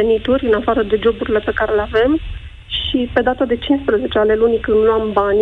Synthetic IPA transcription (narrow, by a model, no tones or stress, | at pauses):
enit̪uɾʲɨnafaɾəd̪e̞d͡ʒo̞buɾile̞pe̞kaɾe̞leave̞m | ʃipe̞d̪at̪ad̪e̞t͡ʃinspɾəze̞t͡ʃeale̞lunikɨnd̪loambanʲ